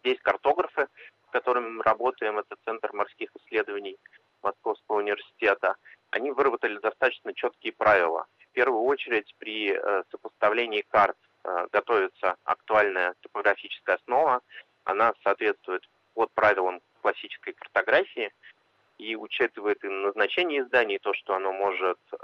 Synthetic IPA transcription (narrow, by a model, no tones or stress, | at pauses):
zʲdʲesʲkɐrt̪o̞ɡɾəfɨskɐt̪o̞ɾɨmʲmɨɾʔɐbo̞t̪əjɪmɛt̪ət̪t̪sɛnt̪rmarskʲixɨsʲːlʲe̞d̪əvənʲɪj | mʔɐsko̞fskəvəʊnʲɪvʲɪrsʲɪ̥tʲe̞t̪əɐ̰nʲivɨɾəbət̪əlʲɪd̪ɐst̪at̪ət͡ɕnət͡ɕo̞t̪kʲɪjɪpɾavʲɪlˠə̰fpʲe̞rvʊjʊo̞t͡ɕɪɾʲɪtʲpɾʲɪəsəpəst̪ɐvlʲenʲɪːkart̪ | ɡɐt̪o̞vʲɪt̪səɐ̰kt̪ʊalʲnəjət̪ə̥pəɡɾɐfʲit͡ɕɪ̥skəjəɐsno̞və | ɐ̰nasaːt̪vʲe̞t̪st̪vʊjɪt̪ | pot̪̚pɾavʲɪlˠəm | klˠɐsʲːit͡ɕɪ̥skəjkərt̪ɐɡɾafʲɪɪ | iʊt͡ɕit̪ɨvəjɪt̪ɨnəznɐt͡ɕenʲɪjɪzd̪anʲɪjt̪o̞ʂt̪oɐno̞mo̞ʐɨt̪